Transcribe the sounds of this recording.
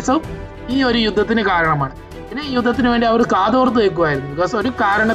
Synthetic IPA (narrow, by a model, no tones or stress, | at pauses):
sɐm | iːo̞ɾujud̪ʱːɐt̪ːinɨkaːɾɐɳɐmaːɳɨ | inːeːjud̪ʱːɐt̪ːinɨʋe̞ːɳɖiɐʋɐɾɨkaːd̪o̞ːrt̪̬ːuʋek̬ːuʋaːjɾunːuikɐsɐmoɾukaːɾɐɳɐ